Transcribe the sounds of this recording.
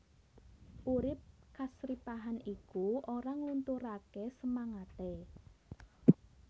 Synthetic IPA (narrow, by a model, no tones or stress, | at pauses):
ʔuɾɪp̚kasɾipaɦanikuʔoɾaŋlunt̪uɾakesəmaŋat̪e